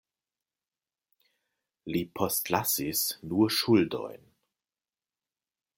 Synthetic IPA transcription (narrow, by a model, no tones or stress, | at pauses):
lipʰɔstlasisnuːɐʃʊldɔ̰ʏn